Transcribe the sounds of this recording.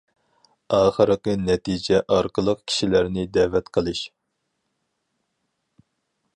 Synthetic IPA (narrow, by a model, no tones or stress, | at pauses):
ɑːχəɾɨqɨnɛt̪ʰid͡ʒɛʔɑɾqəlˠəqkʲʰi̥ʃilæɾnɪd̪ɛvɛt̪qʰəlˠɨʃ